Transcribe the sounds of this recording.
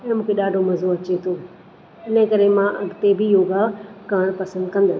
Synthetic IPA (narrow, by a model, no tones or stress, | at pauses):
mũːkʰeɗaːɖʱomɐzoɐt͡ɕet̪ʰoː | ɪnəkɐɾemãʔɐɡʱt̪ebʱɪjoːɡakãːɽ̃pɐsə̃nd̪kɐ̃nd̪ɐ